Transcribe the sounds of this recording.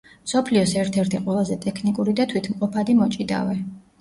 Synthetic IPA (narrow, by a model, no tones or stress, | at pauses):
msɔpʰliɔsɛɾt̪ʰɛɾt̪ʰiqʼwɛlˠazɛt̪ʼɛkʰnikʼuɾid̪at̪ʰwit̪ʰmqʼɔpʰad̪imɔt͡ʃʼid̪a̰vɛ